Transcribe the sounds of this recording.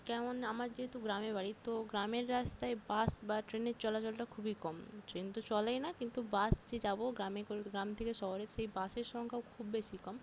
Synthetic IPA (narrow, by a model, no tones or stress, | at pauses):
kɛmonamaɾd͡ʑeɦet̪uɡɾamebaɽit̪oɡɾameɾːast̪aebasbaʈɾeneɾt͡ɕɔlat͡ɕolʈakʰubikɔmʈɾent̪ot͡ɕɔlejnakint̪ubasd͡ʑed͡ʑaboɡɾamekoɡɾamt̪ʰekeʃɔɦoɾeʃejbaseɾʃɔŋkʰaokʰubːeʃikɔm